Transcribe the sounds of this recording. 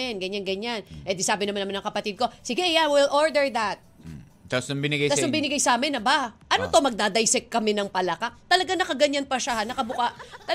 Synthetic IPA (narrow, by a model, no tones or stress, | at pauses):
ɛnɡɐɲanɡɐɲanɛd̪ɪsaːbɪnɐmanɐmanɐŋkɐpɐt̪id̪̚ko̞sɪɡɛʔɐjawɪlʔoɹd̪ɛɹd̪ɐt̪̚ | t̪apsʊŋbɪnɪɡajt̪aʊŋbɪnɪɡajsɐaːmɪnɐbaʔɐnot̪omɐɡ̚d̪aːd̪ajsɛk̚kːɐmɛnɐŋpɐlɐkat̪ɐlɐɡaŋnɐkɐɡɐɲanpɐʃanɐkɐbʊkaʔt̪ɐ